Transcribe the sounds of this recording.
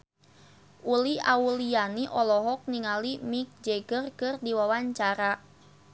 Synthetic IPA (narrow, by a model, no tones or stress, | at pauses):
ʔuliaulijaniʔɔlɔɦɔk̚niŋalimik̚d͡ʒeɡərkɨrdiwawaɲt͡ʃaɾa